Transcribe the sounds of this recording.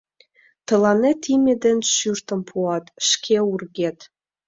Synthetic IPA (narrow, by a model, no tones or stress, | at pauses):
t̪ə̆lɑnet̪imʲed̪enʃyrt̪ə̆mpʰuɑt̪ʃkʰeurɣet̪